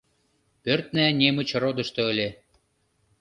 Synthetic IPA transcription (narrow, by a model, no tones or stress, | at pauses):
pørt̪̚nænʲemə̆t͡ɕrod̪ɤ̆ʃt̪ɤ̆ə̆lʲe